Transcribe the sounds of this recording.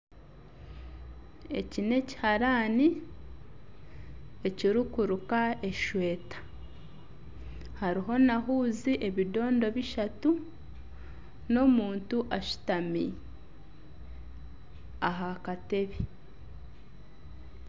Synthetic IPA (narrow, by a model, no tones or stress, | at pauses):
e̞̰cine̞ci̥haɾaːni | eciɾukuɾukae̞ʃwe̞ːtḁ | haɾiɦo̞naɦuːziʔe̞βido̞ːndo̞βiʃatu | no̞muːntuʔaʃu̥tami | aɦakate̞βi